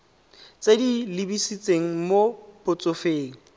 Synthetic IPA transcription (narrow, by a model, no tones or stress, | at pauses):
t͡sʼedilɪbisit͡sʼeŋ̩mopʰʼʊt͡sʼʊfeːŋ̩